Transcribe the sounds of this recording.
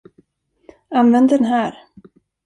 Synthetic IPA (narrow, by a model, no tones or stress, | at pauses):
anvɛnd̪ɛnɦæːɾ